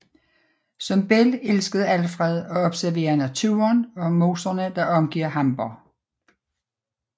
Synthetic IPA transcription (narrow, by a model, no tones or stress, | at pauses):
sɒ̽mb̥elelsɡ̥əð̩ˠælfʁɛðˠɒ̽ɒ̽b̥sæɐʋe̝̰ːɐnæt͡sʰṵːɐnɒ̽mo̝ːsɐnəd̥ɑ̈ʔɒ̽mɡ̥iɐ̰hɑ̈mb̥ɐ